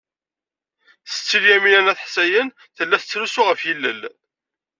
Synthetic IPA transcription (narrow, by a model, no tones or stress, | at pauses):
θə̥t͡sːiljæminænæθħsæjən | θəlːæθə̥t͡sːɾusuʁəfjilːə̰l